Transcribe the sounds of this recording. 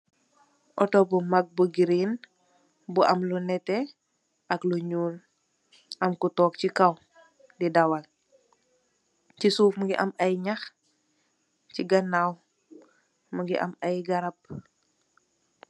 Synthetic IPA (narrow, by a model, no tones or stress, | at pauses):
ʔɔtobumak̚buɡiɾin | buʔɐmlunɛte | ɐkluɲuːl | ʔɐmkutɔːk̚cikaw | didawal | cisuːfmuɡiʔɐmɐjɲax | ciɡɐnaw | muɡiʔɐ̰mɐjɡɐɾɐp̚